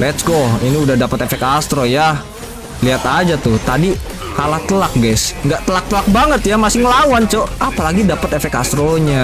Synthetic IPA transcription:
lɛt̪sɡɔiniudahdapət̪efɛkast̪ɾoja | liat̪ad͡ʒat̪ʊht̪adi | kalaht̪əlak̚ɡasŋɡaʔt̪əlak̚t̪əlak̚baŋət̪jamasɪŋlawant͡ʃoapalaɡidapət̪efɛkast̪ɾoɲa

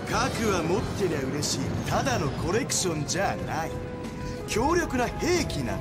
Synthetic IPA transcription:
kakɯ̟βamo̞t̪ːeɾʲiaɯ̟ɾe̞ɕiːt̪ad̪ano̞kʰo̞ɾe̞kɯ̟̥ɕõ̞ɲd͡ʑanai | kʲo̞ːɾʲo̞kɯ̟nahe̞ːkʲinã̰

